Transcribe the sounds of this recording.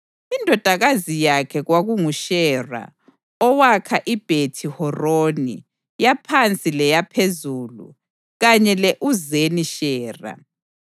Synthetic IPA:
indʱɔd̥ʱaɣazijakʰɛɣwaɣuŋuʃɛra̰ | ɔwakʰaʔib̥ʱetʰihɔroːnḭ | japʰant͡sʼilɛjapʰezulṵ | ɣaɲɛlɛʔuzeniʃɛːra̰

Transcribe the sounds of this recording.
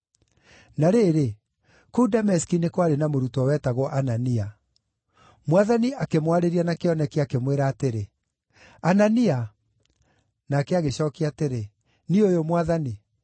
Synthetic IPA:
naɾeɾe | kudamɛskinekwaɾenamoɾutɔwɛtaɣɔʔanania | mwaðaniʔakemwaɾeɾianakeɔnɛkeakemweɾaːteɾe | anania | nakɛaɣeɕɔkiateɾe | niojomwaðani

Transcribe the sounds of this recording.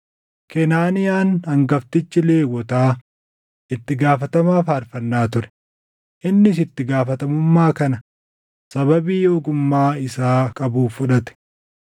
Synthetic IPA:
kɛnaːnɪjaːnɐŋɡɐft̪ɪt͡ʃːɪleːwɔt̪aː | ɪt̪ːɪɡaːfɐt̪ɐmaːfɐɾfɐnːaːt̪ʊɾɛ̥ | ʔɪnːɪs̬ɪt̪ːɪɡaːfɐt̪ɐmʊmːaːkɐnɐ | sɐbɐbiːjoːɡʊmːaːɪsaːkʼɐbuːfːʊᶑɐt̪ɛ̥

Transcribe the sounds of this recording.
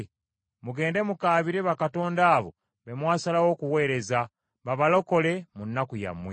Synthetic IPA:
muɡe̞ːnde̞mukaːβiɾe̞βakato̞ːndaːβo̞̰ | βe̞mwaːsalawo̞ːkuwe̞ːɾe̞za | βaβalo̞ko̞le̞munːakuja̰mwe

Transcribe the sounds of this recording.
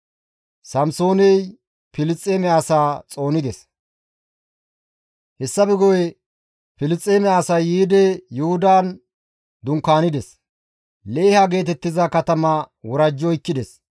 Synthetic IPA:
sɐmso̞ːnɛj | pɪlɪt͡sʼːeːmɛasaːt͡sʼo̞ːnɪd̪ɛs | hɛsːɐbɪɡɔjɛ | pɪlɪt͡sʼːeːmɛasɐjːiːd̪ɛjʊhʊd̪aːn | d̪ʊŋkːaːnɪd̪ɛs | le̞ːhɐɡe̞ːt̪ɛt̪ːɪzɐkɐt̪ɐmɐwɔɾɐd͡ʒːɔɪkːɪd̪ɛs

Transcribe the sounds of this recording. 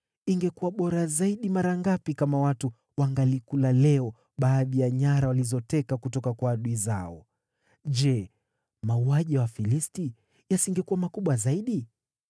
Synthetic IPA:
iŋɡɛkuwaɓɔɾazaiɗimaɾaŋɡapikamawatu | waŋɡalikulalɛɔ | ɓaːðijaɲaɾawalizɔtɛkakutɔkakwaːɗuiza̰ɔ | d͡ʒɛ | mauaʄiawafilisti | jasiŋɡɛkuwamakuɓwazaiɗi

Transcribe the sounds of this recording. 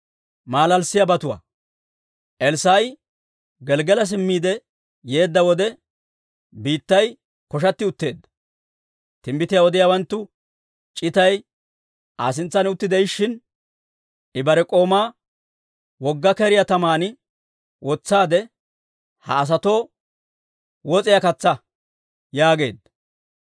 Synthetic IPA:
maːlɐlsɪjabɐt̪ʊwa̰ː | ʔɛlsaːj | ɡɛlɡɛlɐs̬ɪmːiːd̪ɛ | je̞ːd̪ːɐwɔd̪ɛ | biːt̪ːɐj | kɔʃ̬ɐt̪ːɪʊt̪ːe̞ːd̪ːɐ̥ | t̪ɪmbɪt̪ɪjaɔd̪ɪjaːwɐnt̪ːʊ | t͡ʃʼɪt̪ɐj | ʔa̰ːsɪnt͡sːɐnʊt̪ːɪd̪ɛjɪʃːɪn | ʔɪbɐɾɛkʼo̞ːmaː | wɔɡːɐkɛɾɪjat̪ɐmaːn | wɔt͡sːaːd̪ɛ | hɐːs̬ɐt̪o̞ː | wɔt͡sʼɪjakɐt͡sːɐ | jaːɡe̞ːd̪ːɐ

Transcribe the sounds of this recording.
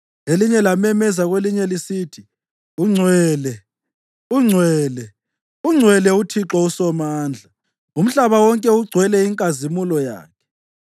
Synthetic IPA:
eliɲɛlamɛmɛzaɣweliɲɛlisiːtʰi | uŋ͡ǀʱwɛːlɛ | uŋ͡ǀʱwɛːlɛ | uŋ͡ǀʱwɛlɛutʰiǁausɔmaːnd͡ɮʱa | um̩ɬaβawɔŋkʼɛuɡ͡ǀʱwɛlɛiŋkʼazimulɔja̰ːkʰɛ̥

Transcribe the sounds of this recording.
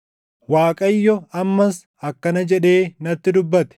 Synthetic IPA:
waːkʼɐjːɔɐmːɐs | ɐkːɐnɐd͡ʒɛᶑe̞ːnɐt̪ːɪd̪ʊbːɐt̪ɛ̥

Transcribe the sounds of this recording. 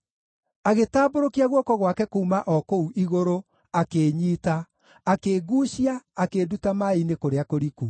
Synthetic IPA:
aɣetaːboɾokiaɣwɔkɔɣwakɛkoumaʔɔkouʔiɣoɾo | akeːɲiːtaː | keːɡuːɕiaːkeːdutamainekoɾeakoɾiku

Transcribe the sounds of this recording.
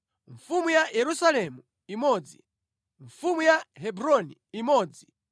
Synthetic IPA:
ɱfumujajɛɾusalɛmu | imɔːd͡zḭ | ɱfumujaɦɛbɾɔniimɔːd͡zi

